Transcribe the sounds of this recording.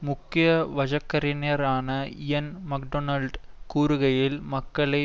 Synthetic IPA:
mʊkːɪjɐʋɐd͡ʒɐkːɐɾɪneɐɾaːnɐɪjɐnmɐk̚ɖonɐlɖkuːɾɯɣɐjɪlmɐkːɐɭɐɪ

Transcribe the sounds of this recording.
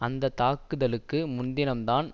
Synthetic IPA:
ɐnd̪ɐt̪aːkːɯðɐlɯkːɯmʊnd̪ɪnɐmt̪aːn

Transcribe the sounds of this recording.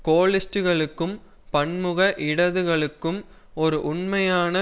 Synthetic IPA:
koːɭɪsʈɯɣɐɭɯkːɯm | pɐɳmɯɣɐʔɪɽɐðɯɣɐɭɯkːɯm | ɔɾɯʔʊɳmɐjaːnɐ

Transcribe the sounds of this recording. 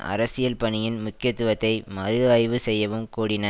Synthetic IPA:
ɐ̰ɾɐsɪjɐlpɐɳɪjɪnmʊkːɪjɐt̪ːɯʋɐt̪ːɐɪmɐɾɯɐjʋɯsɛjːɐʋɯmkuːɽɪnɐ

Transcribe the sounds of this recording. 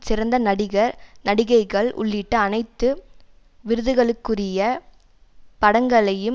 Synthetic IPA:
sɪɾɐnd̪ɐnɐɽɪɣɐɾnɐɽɪɣɐɪɣɐɭʔʊ̰ɭːɪʈːɯɐnɐɪt̪ːɯ | ʋɪɾɯðɯɣɐɭɯkːɯrɪjɐ | pɐɽɐŋɡɐɭɐjɯ

